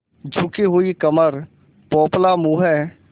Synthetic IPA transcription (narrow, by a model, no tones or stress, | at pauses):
d͡ʒʱʊkiɦʊikəməɾ | pɔːplamuːɦɛː